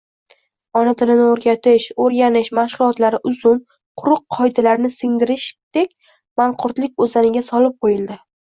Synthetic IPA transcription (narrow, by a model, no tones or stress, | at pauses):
ɒnat̪ʰɪlɪnɪoɾɡʲat̪ʰɪʃoɾɡʲanɪʃmaʃʁʊlˠɒt̪laɾɪʔʊzʊm | qʰʊɾʊqʰːɒjd̪alaɾnɪsɪŋd̪ɪɾɪʃd̪̥ekʲ | maɴqʰʊɾt̪lɪk̚ʲɵzanɪɡʲasɒlɪp̚qʰojɪlˠd̪ɪ